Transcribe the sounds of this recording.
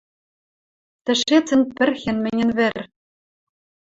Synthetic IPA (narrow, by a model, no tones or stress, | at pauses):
t̪ɘ̆ʃet͡sɘ̆npɘ̆rxʲɘ̆nmɘ̆nʲɘ̆nβɘ̆rʲ